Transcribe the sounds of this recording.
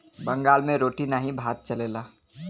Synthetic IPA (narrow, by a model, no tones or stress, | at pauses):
bə̃ŋɡaːlmẽɾoːʈinaɦĩbʱaːt̪̚t͡ʃəleːlaː